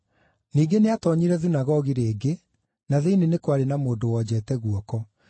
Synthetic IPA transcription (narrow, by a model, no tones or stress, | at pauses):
niːɡeneatɔɲiɾɛðunaɣɔɣiɾeːɡe | naðeinenekwaɾenamoːndowɔːd͡ʑɛtɛɣuɔkɔ